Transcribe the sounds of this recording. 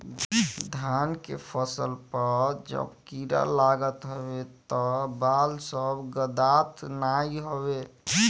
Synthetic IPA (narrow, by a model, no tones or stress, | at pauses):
d̪ʱankḛpʰəsəlpəɾd͡ʒə̰bkiɾa̰laɡət̪ɦobet̪ɔbalsəbɡəd̪at̪naiɦobe